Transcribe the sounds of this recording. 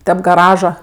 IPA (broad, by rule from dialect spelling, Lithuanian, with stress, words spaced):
ˈtʲɛp ɡɐˈrɑːʒɐ